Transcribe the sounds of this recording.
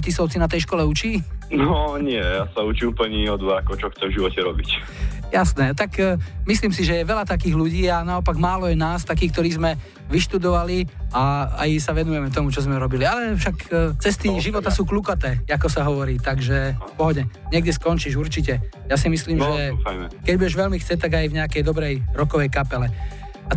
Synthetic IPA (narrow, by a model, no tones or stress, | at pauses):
cisɔʊt͡sinat̪ɛjʃkɔlɛut͡ʃiːnɔɲɪɛjasaut͡ʃiupl̩ɲɛɔd̪ʋaakɔt͡ʃɔxtt͡sɛmvʒiʋɔcɛɾɔbic | jasnɛt̪akmisliːmsiʒɛjɛʋɛlat̪akiːɣluɟiːanaɔpaɡmaːlɔjɛnaːst̪akiːk̚t̪ɔɾiːzmɛ | ʋiʃt̪ud̪ɔʋaliaa̰jsaʋɛnujɛmɛt̪ɔmut͡ʃɔzmɛɾɔbilialɛfʃakt͡sɛst̪iʒiʋɔt̪asuːkluːkat̪ɛːakɔsaɦɔʋɔɾiːt̪aɡʒɛfpɔɦɔdɛɲɛɡdʲɛskɔnt͡ʃiːʒuɾt͡ʃicɛjasimisliːmʒɛjmɛkɛɟbuɛʒʋɛlmixt͡sɛt̪aɡajvɲɛakɛjd̪ɔbɾɛjɾɔkɔʋɛjkapɛlɛ | a